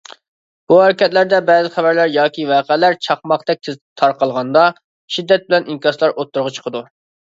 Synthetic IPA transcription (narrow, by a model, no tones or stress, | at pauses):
b̥uhæɾɪkʲɛt̪læɾd̪ɛbɛːzɪχæbæɾlæɾjɑːkʲivɛːqʰælæɾt͡ʃʰɑχmɑqd̪ɛk̚ʲt̪ʰɪzd̪ɪt̪ʰɑɾqɑlˠʁɑnd̪ɑ | ʃid̪ːɛt̪̚bɪlɛniŋkʲɑslˠɑɾʔot̪ʰːuɾʁɑt͡ʃʰə̥qʰəd̪u